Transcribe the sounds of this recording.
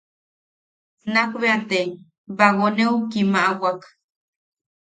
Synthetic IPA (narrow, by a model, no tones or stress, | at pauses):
nakbeat̪e | baɣoneukimaʔawak